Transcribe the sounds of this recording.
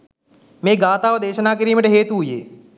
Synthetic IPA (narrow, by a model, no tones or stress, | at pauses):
mẽːɡaːt̪aːʋɐd̪eːʃənaːk̬əɾiːməʈeɦeːt̪uɦʊjḛː